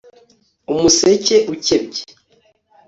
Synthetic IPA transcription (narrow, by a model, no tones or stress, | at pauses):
umuseceʔucebɟe̥